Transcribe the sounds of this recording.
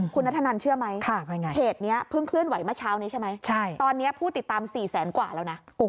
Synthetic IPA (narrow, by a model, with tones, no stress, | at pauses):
kʰu˧nːa˦˥t̪ʰːa˧na˧nt͡ɕʰɯ˥˩ɐma˦˥jkʰa˧˩a˧˩ŋa˧kʰeː˨˩t̪̚ni˦˥ɐpʰɯ˥˩ŋkʰlɯ˥˩ənwa˨˩˦jmaː˥˩t͡ɕʰaː˦˥wniː˦˥t͡ɕʰa˥˩jma˦˥jt͡ɕʰa˥˩jt̪ɔː˧nːi˦˥ɐpʰuː˥˩t̪i˨˩t̪ːaː˧msiː˨˩sɛː˩˦nkwaː˨˩lɛː˦˥wna˦˥˧